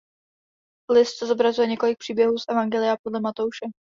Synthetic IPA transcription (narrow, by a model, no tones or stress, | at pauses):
lɪst̪sɛzo̞bɾazujɛɲɛko̞lɪk̚pr̥iːbjɛɦuːsʔɛvaŋɡɛlɪjapo̞dlɛmat̪owʃɛ